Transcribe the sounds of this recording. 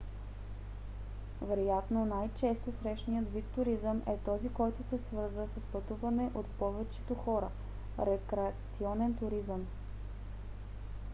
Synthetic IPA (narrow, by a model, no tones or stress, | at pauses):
vɛɾojat̪nonajt͡ʃɛst̪osɾɛʃnijət̪vit̪ːʊɾizəmʔɛt̪ɔzikɔjt̪ʊsɛsvɤɾzvəsəspɐt̪uvɐnɛʔot̪pɔvɛt͡ʃɛ̥t̪oxɔɾə | ɾɛkɾɛɐt̪siɔnɛnt̪ʊɾizəm